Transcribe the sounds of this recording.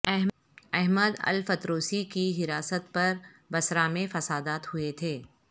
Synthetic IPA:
ɛɦ | ɛɦməd̪ɐ̰lfɐt̪ɾoːsikiɦɪɾaːsət̪̚pɐɾ | bɐsɾaːmẽfɐsaːd̪aːt̪hʊet̪ʰeː

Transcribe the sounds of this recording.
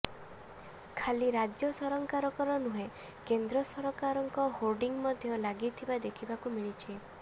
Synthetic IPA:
kʰaliɾad͡ʒjɔsɔɾɔŋkaɾɔkɔɾɔnuɦe | kend̪ɾɔsɔɾɔkaɾɔŋkɔholɖiŋmɔd̪ʱjɔlaɡit̪ʰibad̪ekʰibakumiɭ̃it͡ʃʰi

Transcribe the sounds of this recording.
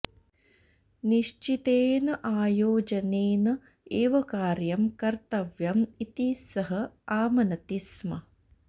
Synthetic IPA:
niʃt͡ʃit̪eːnɐʔaːjoːd͡ʒɐneːnɐ | eːʋɐkaːɾjɐmkɐɾt̪ɐʋjɐmit̪isɐɦɐaːmɐnɐt̪ismɐ

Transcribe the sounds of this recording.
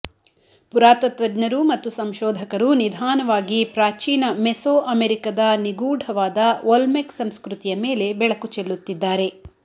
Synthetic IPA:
puɾaːt̪ɐt̪ʋɐd͡ʒnɐɾumɐt̪ːusɐmʃɔːd̪ʱɐkɐɾunid̪ʱaːnɐʋaːɡipɾaːt͡ʃiːnɐmesoːʔɐmeɾikɐd̪ɐniɡuːɖʱɐʋaːd̪ɐʋolmeksɐmskɾut̪ijɐmeːle̞bɛɭɐkut͡ʃɛlːut̪ːid̪ːaːɾe̞

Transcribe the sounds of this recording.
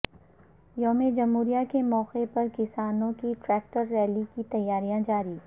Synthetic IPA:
joːmed͡ʒɐmɦuːɾijakemɔːqepɐɾkɪsaːnõkiʈɾɛːk̚ʈəɾːɛːlikit̪ɐjːaːɾijãd͡ʒaːɾiː

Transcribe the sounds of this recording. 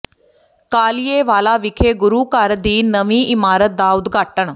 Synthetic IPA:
kaːlijeːʋaːlaːʋɪkʰeːɡʊɾuːkəɾd̪iːnəʋĩːʔɪmaːɾət̪̚d̪aːʊd̪ɡaːʈəɳ

